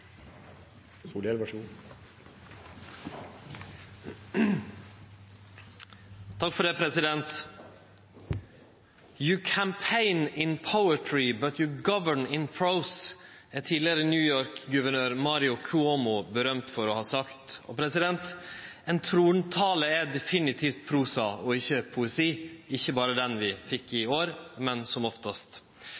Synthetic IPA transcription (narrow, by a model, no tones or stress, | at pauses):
suːlɛlʋæʃuːn | t̪ʰɑkfɔɖɛpʰɾɛsɪd̪ɛnt̪ | jʊkʰæmpʰeɪnɪnpʰəʊətʰɹɪbɑt̪jʊɡɑʋəɳɪnpʰɹoʊsæt̪ʰiːd̪lɪəɾənjʉːjoːɾkɡʉʋəɳøːɾmɑːɾɪʊkʰʊomʊbəɾœmt̪fɔɾɔhɑːsɑkt̪ɔ̰pʰɾɛsɪd̪ɛnt̪ɛnt̪ʰɾuːnt̪ʰɑːləɛd̪ɛfɪnɪt̪ʰift̪̚pʰɾuːsɑɔɪçːəpʰʊɛsiːɪçːəbɑːɾəd̪ɛnʋɪfɪkːɪoːɾmɛnsɔmɔft̪əst̪